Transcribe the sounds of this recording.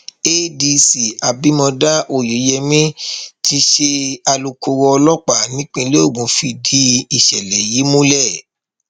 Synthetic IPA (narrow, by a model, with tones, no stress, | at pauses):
e˦di˧si˨a˨bi˨˦mɔ̃˧da˦ʔo˨ji˨˦jɛ˧mĩ˦ti˧ʃe˧a˧lu˨ko˧wɔ˧lɔ˦k͡pa˦˨nĩ˦k͡pĩ˧le˦o˦˨ɡ͡bũ˨˦fi˧di˦i˨ʃɛ˨lɛ˨ji˨˦mũ˦lɛ˦˨